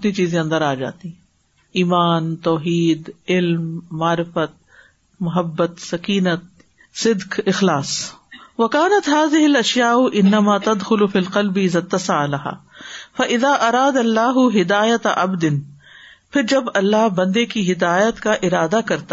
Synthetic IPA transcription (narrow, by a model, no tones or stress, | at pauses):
t̪nit͡ʃiːzẽɐ̃nd̪əɾaːd͡ʒa̰ːt̪iɦɛ̃ | iːmaːnt̪ɔːɦiːd̪ɪlmːaːɾɪfət̪̚ | mɐɦɐbːət̪sɐkiːnət̪̚ | sɪd̪qɪxlaːsʋɐkaːnɐt̪ɦaːzɪɦɪlɐʃjaːʊʔɪnːɐmaːt̪ɐd̪xʊlʊfiːlqɐlbɪzɐt̪ːɐsalɐɦa̰ːfɐʔɪðaːʔɐɾaːd̪ɐlːaːɦʊɦɪd̪aːjɐt̪ʔɐ̰bd̪ɪn | pʰɪɾd͡ʒɐbɐlːaɦbɐ̃nd̪ekiɦɪd̪aːjət̪kaʔɪɾaːd̪akɐɾt̪a